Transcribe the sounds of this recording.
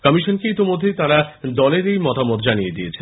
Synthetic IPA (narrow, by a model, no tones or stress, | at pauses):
kɔmiʃonkeit̪imod̪ʱːejt̪aɾad̪ɔleɾejmɔt̪amɔt̪d͡ʑanijed̪iet͡ɕʰen